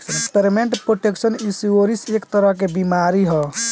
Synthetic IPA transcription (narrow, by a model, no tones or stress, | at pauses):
ekspeɾimeɳʈpɾoʈeksənisuoɾisekt̪əɾəɦk̬ebimaɾiɦɔ